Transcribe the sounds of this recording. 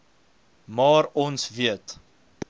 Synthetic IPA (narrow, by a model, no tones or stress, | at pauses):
mɑːɾɔnsviət